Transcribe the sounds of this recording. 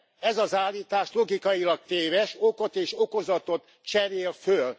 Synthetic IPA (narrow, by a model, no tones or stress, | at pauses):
ɛzɒzaːlːiːt̪aːʃlo̞ɡikɒjilɒk̚t̪eːvɛʃokot̪eːʃo̞ko̞zɒt̪ot̪ | t͡ʃɛɾeːlføl